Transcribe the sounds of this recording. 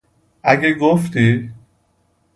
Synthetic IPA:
æɡeɡoft̪i

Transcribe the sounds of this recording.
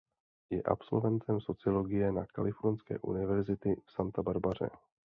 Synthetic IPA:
jɛʔa̰pso̰lvɛnt̪ʰɛmso̞t͡sɪlo̞ɡɪjɛnakalɪfoɾnskɛ̰ːʔṵnɪvɛɾzɪt̪ɪfsant̪abaɾbar̝ɛ̰

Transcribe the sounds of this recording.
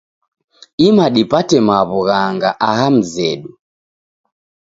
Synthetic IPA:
imaɗipatɛmaβuɣaŋɡaʔaɦam̩zɛɗu

